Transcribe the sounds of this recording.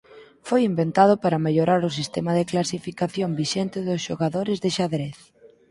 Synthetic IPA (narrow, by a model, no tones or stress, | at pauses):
fojimbent̪að̞ʊpaɾɐmeʎoɾaɾʊsist̪ɛmɐðɪklasifikaθjombiʃɛnt̪ɪðʊsʃoɣaðoɾɪzðɪʃaðɾeθ